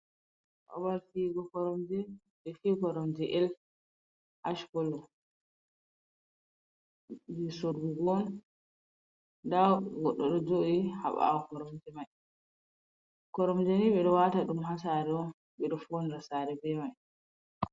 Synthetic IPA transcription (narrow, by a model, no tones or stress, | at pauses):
ʔa̰baɾtiɡɔkɔɾɔmd͡ʒɛ | bɛfikɔɾɔmd͡ʒɛʔɛl | ʔaʃkɔlɔ | d͡ʒisoɾɡuɡɔn | daɡɔɗːɔɗɔd͡ʒoʔiha̰ɓa̰kɔɾɔmd͡ʒɛmaj | kɔɾɔmd͡ʒɛniɓɛɗɔwataɗumɦasaɾɛɔn | ɓɛɗɔfonɾasaɾɛbɛmaj